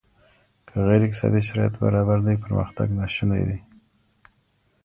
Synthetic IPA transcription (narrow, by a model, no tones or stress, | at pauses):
kʰəɣeɾɪkt̪sɑ̰d̪iʃaɾɑjat̪ba̰ɾɑbaɾd̪ajpəɾmə̰xt̪a̰ɡnaʃina̰jd̪i